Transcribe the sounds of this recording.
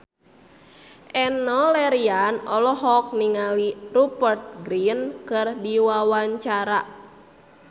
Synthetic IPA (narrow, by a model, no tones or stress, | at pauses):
ʔɛnɔlɛɾianɔlɔɦɔk̚niŋalirupərt̪̚ɡɾinkɨrdiwawaɲt͡ʃaɾa